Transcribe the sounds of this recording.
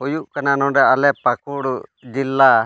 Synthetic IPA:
ɦujuʔkananɔ̃ɖɛalɛpakuɽd͡ʒilːa

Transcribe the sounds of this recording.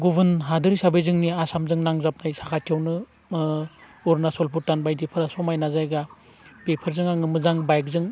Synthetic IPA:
ɡubɯnɦadɯɾisabejzɯŋniasamzɯŋnaŋzap̚najsakʰatʰiawnɯ | uɾnasɔlpʰutːanbajdipʰɯɾasɔmajnazajɡa | pepʰɯɾzɯŋaŋɯmɯzaŋbajk̚zɯŋ

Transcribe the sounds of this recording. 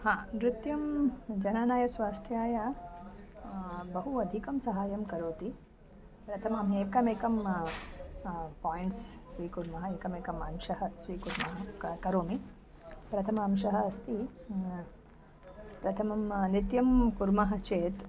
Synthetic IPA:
hãːmɾɪt̪jɐmd͡ʒɐnaːnaːjɐsʋaːst̪ʰjaːjɐ | bɐɦuɐd̪ʱikɐmsɐɦaːjɐmkɐɾoːt̪i | pɾɐt̪ʰɐmɐmeːkɐmeːkɐm | paːjɳʈsːʋiːkuɾmɐɦɐeːkɐmeːkɐmɐmʃɐɦɐsʋiːkuɾmɐɦɐkɐɾoːmi | pɾɐt̪ʰɐmɐːmʃɐɦɐɐst̪i | pɾɐt̪ʰɐmɐmnit̪jɐmkuɾmɐɦɐ̆t͡ʃeːt̪

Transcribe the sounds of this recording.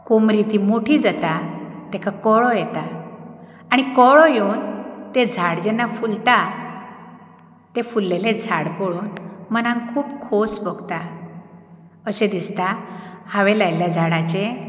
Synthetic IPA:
komɾit̪imoʈʰiːd͡zat̪at̪ɛkʰakɔɭɔjɛt̪a | aɽ̃ikɔɭɔjeunt̪ed͡zʱaɽd͡ʑɛnːafult̪a | t̪efulːeled͡zʱaɽpoɭuːnmənãŋkʰuːpkʰosbɔɡt̪a | əɕẽd̪ist̪ahaʋelajljad͡zʱaɽat͡ɕe

